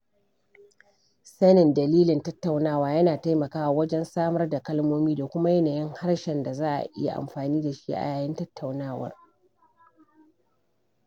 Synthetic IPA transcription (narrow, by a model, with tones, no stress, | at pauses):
sɐ˦nɪ˨ndɐ˨liː˦lɪ˨ntɐ˦tːa˨wnaː˦˨waː˦jɐ˦naː˨ta˦jmɐ˨kaː˦wa˨wɐ˦d͡ʒɛ˦nsaː˦mɐ˦rda˨kɐ˦lmoː˦miː˦da˨kʷʊ˦ma˦jɐ˦naː˨jɪ˦ŋha˦ɽʃɛ˨nda˨zaː˦ʔa̰˨ʔɪ̰˦ja̰˨ʔa̰˨mɸaː˨niː˦da˨ʃḭ˦ʔa̰˨jaː˨jɪ˦ntɐ˦tʰːa˨wnaː˦wɐ̰˦r